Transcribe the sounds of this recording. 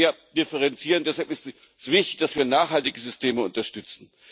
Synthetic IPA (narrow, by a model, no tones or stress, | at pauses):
ɐd̥ɪfəʁɛnt͡siːʁəndɛshalpɪst | sv̥ɪçtɪçd̥asv̥iːɐnaːχhaltɪɡəzʏstʰeːməʊ̰ntɐʃtʏt͡sn̩